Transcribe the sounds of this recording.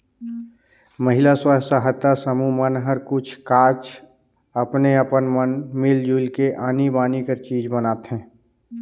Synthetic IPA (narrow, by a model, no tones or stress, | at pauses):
məɦɪlaswasaɦət̪ːasəmumənɦəɾkʊt͡ʃʰkaːt͡ʃ | ɐpneɐpənmənmɪld͡ʒuːlkeʔaːnibaːnikəɾt͡ʃiːd͡ʒbənaːt̪ɦɛ̃ː